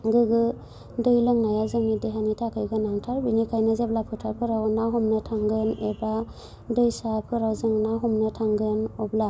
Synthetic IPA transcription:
ɡɯɡɯ | dɯjlɯŋnajawzɯŋnideɦanitʰakʰɯjɡanaŋtʰaɾbinikʰajnɯzeblapʰɯtʰaɾpʰɯɾawnaɦɔmnɯtʰaŋɡɯneba | dɯjsapʰɯɾawzɯŋnaɦɔmnɯtʰaŋɡɯnɔbla

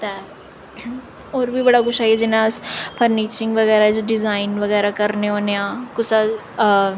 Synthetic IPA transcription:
t̪a | oːɾbʱibɐɽakʊt͡ʃʰaːiɛd͡ʒɪnãspʰəɾniːt͡ʃɪ̃ŋɡʋɐɣɛːɾad͡ʒɖɪzaːɪnʋɐɣɛːɾakɐɾneõːneãːkʊsa

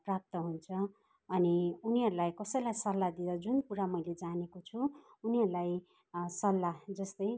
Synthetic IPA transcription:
prap̚t̪ʌɦunt͡sʰʌː | niuniɦʌɾulajkʌsʌjlajsʌlːad̪id̪ʌd͡zunkuɾamʌjled͡zanekot͡sʰuː | niɦʌɾulaj | sʌlːad͡zʌst̪ʌj

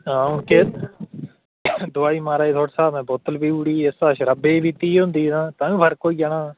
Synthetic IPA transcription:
ɦãːʊnkeː | d̪ʊaːiːmaːɾaːiːt̪ʰoːɽsaːmɛ̃ːboːt̪əlbiːuːɽiːesaːʃɾəbeːbʱiːt̪iːɦʊ̃nd̪iːnãːt̪ãːũːbʱəɾkoːiːd͡ʒaɳãː

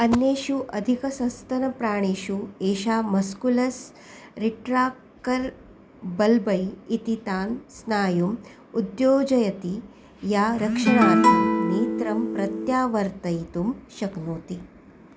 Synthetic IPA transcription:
ɐnːeːʃuʔɐd̪ʱikɐsɐ̃st̪ɐnɐpɾaːɳ̃eːʃueːʃaːmɐskulɐs | ɾiʈɾaːk | kɐɾ | bɐlbɐjit̪it̪aːnsnaːjum | ud̪joːd͡ʒɐjɐt̪i | jaːɾɐkʂɐɳ̃aːt̪iniːt̪ɾɐmpɾɐt̪jaːʋɐɾt̪ɐjt̪umʃɐknoːt̪i

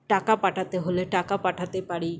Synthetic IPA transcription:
ʈakapaʈʰat̪eɦoleʈakapaʈʰat̪epaɽi

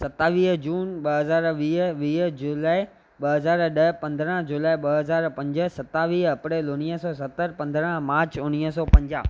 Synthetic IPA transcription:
sɐt̪aːʋiːɦd͡ʑuːnɓɐɦɐzaːɾʋiːɦʋiːɦd͡ʑʊlaːɪ | ɓɐɦɐzaːɾɗɐpɐ̃nd̪ɾə̃d͡ʑulaːiɓɐɦɐzaːɾpɐ̃ɲd͡ʑə̆sɐt̪ːaːʋiːɦɐpɾeːlʊniəsɔːs̬ɐt̪ːəɾpɐ̃nd̪ɾə̃maːɾt͡ɕʊniəsɔːpɐ̃ɲd͡ʑa̰ː

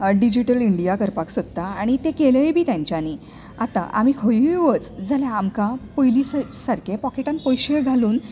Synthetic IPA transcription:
ɖid͡ʑiʈəliɳɖijakəɾpaksot̪t̪aaɽ̃it̪ekeləjbʱiːt̪jãɲt͡ɕjani | at̪a̰ʔa̰mikʰəiʋət͡sd͡zaljaːmkapəjlissaɾkepɔkeʈãnpɔjɕeɡʱaluːn

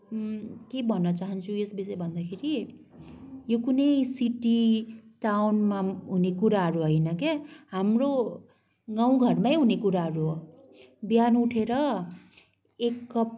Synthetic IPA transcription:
kebʱʌnːʌt͡saɦʌnt͡sʰuesbisebʱʌnd̪akʰeɾi | jokunʌjsiʈiʈawnmaɦunekuɾaɦʌɾuɦʌjnʌkeɦamro | ɡaw̃ɡʱʌrmajɦunekuɾaɦʌɾu | bjanuʈʰeɾʌ | ekːʌp

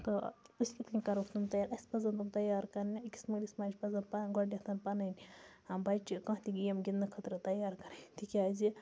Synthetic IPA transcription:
t̪ousʲkʲit̪ɐnʲkɐɾokʰt̪umt̪ɐjaːɾɐsʲpɐzɐnt̪umt̪ɐjaːɾkɐɾnʲiikʲi̥smɐɡlʲismaːd͡ʒpɐzɐnpɐɡoɳɖʲɐt̪ʰɐnpɐnɐnʲɐbɐt͡ʃikɐ̃ːt̪iɡʲijɐmɡʲind̪ɐkʰɐt̪ɾɨt̪ɐjaːɾkɐɾɐnʲt̪ikʲaːzi

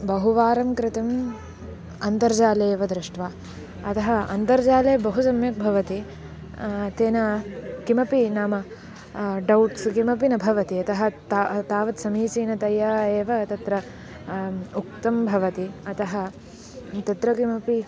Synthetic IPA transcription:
bɐɦuʋaːɾɐmkɾɪt̪ɐm | ɐnt̪ɐɾd͡ʒaːleːʋɐd̪ɾɪʂʈʋaː | ɐt̪ɐɦɐɐnt̪ɐɾd͡ʒaːleːbɐɦusɐmjɐk̚bʱɐʋɐt̪i | t̪eːnɐkimɐpinaːmɐ | ɖɐwʈskimɐp̬inɐbʱɐʋɐt̪iɐt̪ɐɦɐ̆t̪ːt̪aːʋɐt̪sɐmiːt͡ʃiːnɐt̪ɐjaːeːʋɐt̪ɐt̪ɾɐ | uk̚t̪ɐmbʱɐʋɐt̪iɐt̪ɐɦɐ | t̪ɐt̪ɾɐkimɐpi

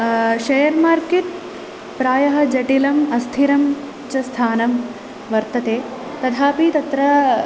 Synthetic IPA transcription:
ʃɐjɐɾmaːɾket̪̚ | pɾaːjɐɦɐ̆d͡ʒɐʈilɐmɐst̪ʰiɾɐm | t͡ʃɐst̪ʰaːnɐm | ʋɐɾt̪ɐt̪eː | t̪ɐd̪ʱaːpit̪ɐt̪ɾɐ

